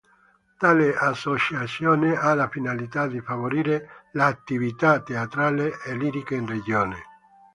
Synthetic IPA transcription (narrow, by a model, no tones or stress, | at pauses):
t̪aːleasːot͡ʃat̪sjoːnealafinalit̪ad̪ifavoɾiːɾelaːt̪ːivit̪at̪eat̪ɾaːleeliːɾikeinred͡ʒoːne